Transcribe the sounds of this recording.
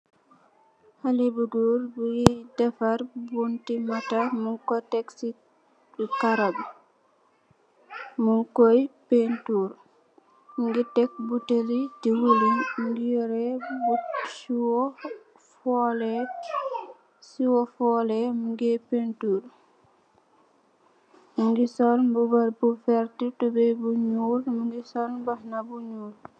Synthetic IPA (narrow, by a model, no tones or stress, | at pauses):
halibuɡuɾbujidɛfaɾbuntimatamuŋkɔtɛksi | kaɾab | muŋkɔjpentuɾ | muŋɡitɛk̚butelitiwulinɡijɔɾɛbusiwɔ | fɔlɛ | siwɔfɔlɛmuŋɡɛpentuːɾ | muŋɡisɔlbubaɾbufɛɾtitubɛjbuɲuːɾmuŋɡisɔnbahnabuɲuːɾ